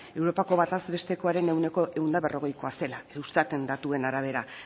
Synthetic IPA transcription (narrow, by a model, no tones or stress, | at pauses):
e̞wɾo̞pako̞βat̪azbe̞st̪e̞ko̞aɾe̞ne̞wne̞ko̞ʔeɣund̪aβerʔo̞ɣ̞e̞jko̞ase̞laeust̪at̪e̞nd̪at̪ue̞naɾaβ̞e̞ɾa